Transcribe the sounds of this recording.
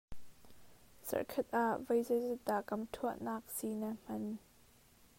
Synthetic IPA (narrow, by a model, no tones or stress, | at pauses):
zɐ̰rkʰɐt̪̚ʔaʔvɐjzɐzɛt̪̚ːaʔkɐmtʰuəʔnaːk̚sinam̥ɐn